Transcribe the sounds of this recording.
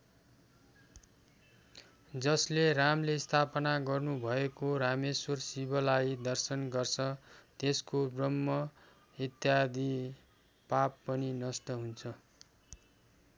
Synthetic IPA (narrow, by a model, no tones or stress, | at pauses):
d͡zʌsleramlest̪ʰapʌnaɡʌrnubʱʌekoɾameswʌrsibʌlajid̪ʌrsʌnɡʌrt͡sʰʌt̪eskobrʌmːʌ | it̪jad̪i | papːʌninʌsʈʌɦunt͡sʰʌ